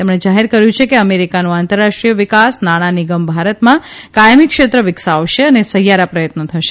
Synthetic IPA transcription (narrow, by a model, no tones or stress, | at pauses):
t̪emɽ̃ed͡ʒaɦeɾkəɾjũt͡ʃʰekeəmeɾikanũant̪əɾːaʂʈɾijəʋɪkasnaɽ̃aniɡəmbʱaɾət̪mãkajmikʃet̪ɾəʋɪksaʋʃeənesəɦjaɾapɾəjət̪nət̪ʰəʃe̥